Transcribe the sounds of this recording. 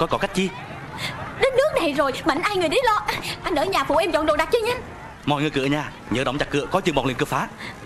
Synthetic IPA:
kɔ˨˦jkɔ˨˧˦ka˦˥jk̟̚t͡ɕi˧ | ɗe˨˦nːɨ˦˥ək̚na˨˩jzo˨˩jɓa̰˧˨ŋ̟ʔaː˧jŋɨ˨˩əjɗi˨˦lɔ˧ʔaː˧nʔəː˧˩˦ɲaː˨˩fṵ˧˩ʔɛ˧mt͡ɕɔ̰˧˨nɗo˨˩ɗa˨˩t̚t͡ɕə˧ɲa˧n | mɔ̰˧˨jŋɨ˨˩jkɨ̰˧˩əɲaː˨˧˩ | ɲə̰ː˨˧˦ɗə̰˧˩wŋ͡mt͡ɕa˨˧˩kːɨ̰˧˨əkɔ˨˦t͡ɕɨ˧˨ŋɓ̰ŋ͡mli˧˨nkɨ˧˨əfaː˨˦

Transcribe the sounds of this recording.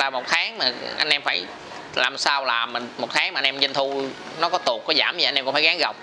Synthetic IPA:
laː˨˩mo˨˩t̚t̪ʰaː˨˦ŋmaː˨˩ʔa̰˧jŋ̟ʔɛ˧mfaː˧˩j | la̰ː˨˩msaː˧wlaː˨˩m˨˩mo˨˩t̪̚ʰaː˨˦ŋma˨˩˧jŋ̟ʔɛ˧mzə˧˩nt̪ʰu˧ | nɔ˨˦kɔ˨˦t̪u˨˩əkːɔ˨˦zaː˧˩mi˨ʔjnʔkŋ͡mfaː˧˩ɣaː˨˦ŋɣa˨˩wk͡p̚

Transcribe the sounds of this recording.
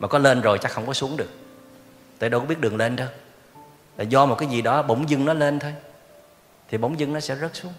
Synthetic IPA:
maː˨˩kɔ˨˦le˧nzo˨˩jt͡ɕaː˨˦˥xə˧wŋ͡mkɔ˨˦su˨˦əŋɗɨ˨˩ək̚ | t̪əː˨˧˩ɗo˧kɓi˦˥ət̚ɗəŋ̚le˧nt̪ə˧j | t̪aː˨˩zɔ˧mo˨˩t̚kaː˨˦jzi˨˩ɗɔ˨˦ɓə˧˩wŋ͡mzɨ˧ŋnɔ˨˦le˧nt̪ʰo˧j | t̪ʰi˨˩ɓə˧˦wŋ͡mzɨ˧ŋnɔ˨˦sɛ̰˧˥zə˦˥t̚su˨˦əŋ

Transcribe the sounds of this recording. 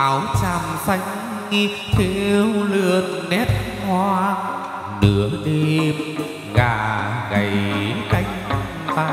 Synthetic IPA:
ʔaː˨˦wt͡ɕaː˨˩mfa˧˩jŋ̟ | ŋi˧ | t̪ʰe˧wlɨ˧˨˩ən̚ːɛ˦˥t̚hwaː˧ | nɨ˦əɗe˧m | ɣaː˧˩ɣa˨˩ji˨˦ka˧jŋ̟ta˨˧˩mt̪a˧

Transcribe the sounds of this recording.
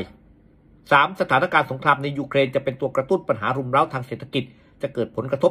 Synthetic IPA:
j | saː˩˦msa˧t̪ʰaː˩˦na˦˥˩kaː˧nso˩˦ŋkʰɾaː˧mna˧jːuː˧kʰɾeː˧nt͡ɕa˨˩pe˧nt̪u˧ɐkɾa˧t̪u˥˩npa˧nɦaː˩˦ɾu˧mɾa˦˥˩wt̪ʰaː˧ŋseː˨˩t̪ʰːa˧ki˨˩t̪̚ | t͡ɕa˨˩ʔkɤː˨˩t̪̚pʰo˩˦nkɾa˧t̪ʰo˦˥

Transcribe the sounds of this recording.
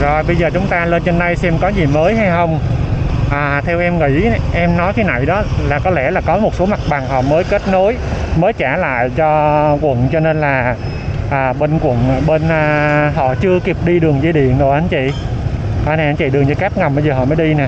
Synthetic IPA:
zo˨˩jɓə˧jzəː˨˩t͡ɕʊ˨˦ŋ͡mt̪aː˧le˧nt͡ɕe˧nːa˧jsɛ˧mkɔ˨˦zi˨˩məː˨˦jɦa˧jxə˧wŋ͡m | ʔaː˨˩t̪ʰɛ˧wʔɛ˧mŋḭ˧˥ʔɛ˧mnɔ˨˦jk̪ʰi˨˦na̰˧˨jɗɔ˨˦laː˨˩kɔ˨˦lɛ˧˩laː˨˩kɔ˨˦mo˨˩t̚so˨˦ma˨˩k̚ɓa˨˩ŋhɔ̰˧˨məː˨˦jke˦˥t̚no˨˦jməː˨˦jt͡ɕaː˧˩la̰ː˧˨jt͡ɕɔ˧kwə̰˧˨nt͡ɕɔ˧ne˧nlaː˨˩ | ʔaː˨˩ɓe˧nkwə̰˧˨n˨˩ɓe˧nʔaː˨˩ɦɔ̰˧˨t͡ɕɨ˧əki˨˩p̚ɗi˧ɗɨ˨˩əŋzi˧ɗḭ˧˨ənɗo˨˩ʔa˨˦nt͡ɕḭ˧˨ | kɔ˨˦nɛ˧˨˩ʔa˨˦nt͡ɕḭ˧˨ɗɨ˨˩əŋɲɨ˧ka˦˥p̚ŋa˨˩mɓə˧jzəː˨˩ɦɔ̰˧˨məː˨˦jɗi˧naː˨˩

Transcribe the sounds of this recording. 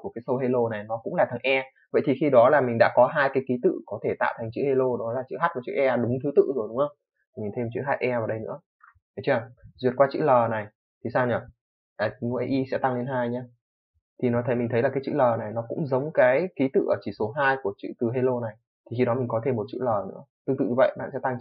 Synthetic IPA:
ku˧˩əkaː˨˦jsə˧wɦe˧lo˧na˨˩jnɔ˨˦kʊ̰˧˥ŋ͡mlaː˨˩t̪ʰa˨˩ŋʔɛ˧ | və̰˧˨jt̪ʰi˨˩xi˧ɗɔ˨˦laː˨˩mi˨˩ŋ̟ɗa̰ː˧˥kɔ˨˦ɦaː˧jkaː˨˦jki˨˦t̪ɨ̰˧˨kɔ˨˦t̪ʰe˧˩t̪a̰ː˧˨wt̪ʰa˨˩ŋ̟t͡ɕɨ̰˧˥he˧lo˧ɗɔ˨˦laː˨˩t͡ɕɨ̰˧˨ɦa˦˥t̚vaː˨˩t͡ɕɨ̰˧˥ʔɛ˧ɗʊ˨˦ŋ͡mt̪ʰɨ˨˦t̪ɨ̰˧˨zo˨˩jɗʊ˨˦ŋ͡mʔə˧wŋ͡m | t̪ʰi˨˩mï˨˩ŋ̟t̪ʰe˧mt͡ɕɨ̰˧˥˦ɦaː˦˥t̚ʔɛ˧vaː˨˩wɗə˧jnɨ̰˧˥ə | a˨˩jt͡ɕɨ˧˨˩zwi˨˩ət̚kwaː˧t͡ɕɨ̰˧˥ləː˨˩na˨˩j | t̪ʰi˨˩saː˧wɲə˨˩ | ʔaː˨˩˨m˧ɛ˧˩ʔi˧sɛ̰˧˥t̪a˧ŋle˧nɦaː˧jɲaː˧ | t̪ʰi˨˩nɔ˨˦t̪ʰə˨˦jmï˨˩ŋ̟t̪ə˨˦laː˨˩kaː˨˦t͡ɕɨ̰˧˨ləː˨˩na˨˩jnɔ˨˦kʊ̰˧˥ŋ͡mzə˨˦wŋ͡mkaː˨˦jki˨˦t̪ɨ̰˧˨ʔəː˧˩t͡ɕi˧˩so˨˦ɦaː˧jku˧˩ət͡ɕɨ̰˧˨t̪ɨ˨˩ɦe˧lo˧na˨˩j | t̪ʰi˨˩xi˧ɗɔ˨˦mi˨˩ŋkɔ˨˦t̪ʰe˧mːo˨˩t̚t͡ɕɨ̰˧˨ləː˨˩nɨ̰˧˥ət̪ɨ˧ŋt̪ɨ̰˧˨ɲɨ˧və̰˧˨jɓa̰ː˧˨nsɛ̰˧˥t̪a˧ŋ

